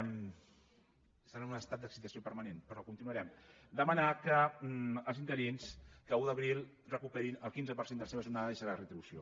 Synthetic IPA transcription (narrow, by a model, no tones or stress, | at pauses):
səɾanunəst̪at̪̚d̪əksit̪əsiopəɾmənenpəɾɔkunt̪inuəɾɛm | d̪əmənakəəlˠzint̪əɾienskəuðəβɾilˠ | rəkupɛɾinəlˠkinzəpəɾsend̪əlɐseβəʒurnaðəðəʃəɾarət̪ɾiβusio̰